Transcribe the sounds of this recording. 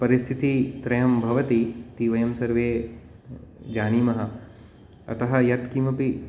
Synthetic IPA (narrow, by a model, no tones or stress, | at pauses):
pɐɾɪst̪ʰit̪it̪ɾɐjɐmbʱɐʋɐt̪it̪iʋɐjɐmsɐɾʋeː | d͡ʒaːniːmɐɦɐ | ɐ̰t̪ɐɦɐ̆jɐt̪kimɐpi